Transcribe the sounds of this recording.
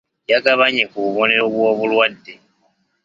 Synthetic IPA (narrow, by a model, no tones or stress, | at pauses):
jakaβaɲekuβuβo̞neɾoβwo̞ːβulwadːe